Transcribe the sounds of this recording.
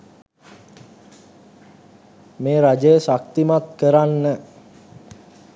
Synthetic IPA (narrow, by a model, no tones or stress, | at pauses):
meːɾad͡ʒəjəsak̚t̪imat̪kəɾanːə